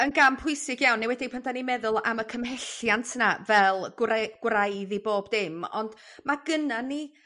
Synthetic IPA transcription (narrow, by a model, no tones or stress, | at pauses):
ənɡampʰʊɨsɪɡjawnːejwɛdipʰəndanimɛðʊlˠa̰məkʰəmɛɬjantʰnavɛlˠɡɡ̥wrajðiboːbdɪmɔ̰nd | maɡənanːi